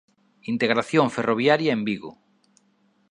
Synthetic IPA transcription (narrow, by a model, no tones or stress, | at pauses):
int̪eɣɾaθjoŋferoβ̞jaɾjɐembiɣʊ̰